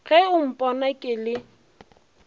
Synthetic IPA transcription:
ɣɛʊm̩pʼɔnakʼɪlɪ

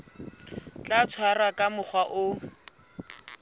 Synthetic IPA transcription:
t͡ɬʼat͡sʰwarakʼamʊk͡xwaʔʊ

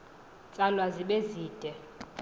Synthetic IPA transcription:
t͡sʼalwaziɓeziːd̥ʱɛ

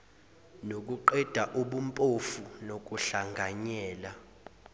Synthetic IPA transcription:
nok̬uǃɛd̥ʱaʔuɓumpʼofunok̬ʼuɬaŋɡʱaɲɛːla

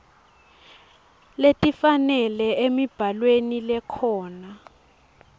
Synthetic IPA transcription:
letʼifanɛlɛemib̥ʱalwenilɛkʰɔːna

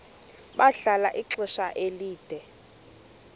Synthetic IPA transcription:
ɓaɬala̰ʔiǁɛʃaʔeliːd̥ʱɛ

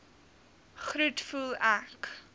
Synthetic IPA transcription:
χɾutfulˠæk

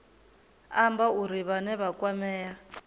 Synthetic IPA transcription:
ambauɾiβanɛβakwamɛːja

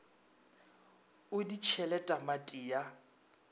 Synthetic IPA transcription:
ʊdit͡ʃʰɛlɛtʼamatʼiːja

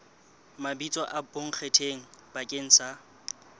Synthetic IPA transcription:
mabit͡sʼɔʔaboŋ̩k͡xʰetʰeŋ̩b̥akʼeŋ̩sa

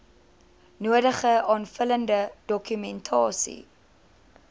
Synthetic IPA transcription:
nuədəχəɑːnfələndəd̥ɔkymɛntʰɑ̰ːsḭ

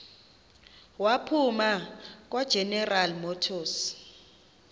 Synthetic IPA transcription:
wapʰumak̬ʼwad̥ʒ̥ʱɛnɛralmɔtʰoːs

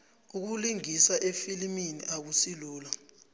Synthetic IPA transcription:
uk̬uliŋisaʔefiliminḭʔak̬usiluːla

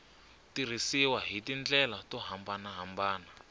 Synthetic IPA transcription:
tir̤isiwaɦitind͡ɮɛlatɔɦambanaɦambaːna

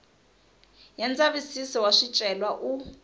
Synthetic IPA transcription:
jɛnd͡zaβisisɔwaʂit͡ʃʼɛlwaʔu

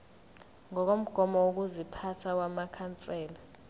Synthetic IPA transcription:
ŋɔk̬om̩ɡ̥ʱɔmɔwuk̬uzipʰatʰawamakʰant͡sʼɛːla

